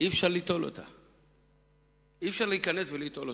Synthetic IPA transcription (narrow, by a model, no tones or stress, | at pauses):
ifʃaʁlit̪o̞lo̰t̪a̰ | ifʃaʁleikanesveliːt̪o̞lo